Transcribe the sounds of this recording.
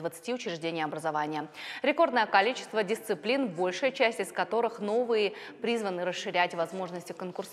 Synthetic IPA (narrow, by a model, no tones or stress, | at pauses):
vət̪sɨ̥tʲiʊt͡ɕɾʲɪʐdʲenʲɪjɐbɾəzɐvanʲɪjəɾʲɪko̞rd̪nəjəkɐlʲit͡ɕɪ̥st̪vədʲɪst̪sɨplʲinbo̞lʲʂɨjət͡ɕæsʲtʲɪskɐt̪o̞ɾɨxno̞vɨjɪ | pɾʲizvənɨɾəsʂːɨɾʲætʲvɐzmo̞ʐnəsʲtʲɪkənkʊrs